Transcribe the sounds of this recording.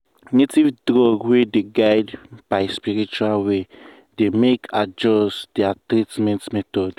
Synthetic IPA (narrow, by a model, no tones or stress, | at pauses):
nitivdɾɔɡwideɡajdb̥ajspiɾit͡ʃualwe | demekʰad͡ʒɔsd̪̥iatɾitmɛ̃nsmɛt̪ɔd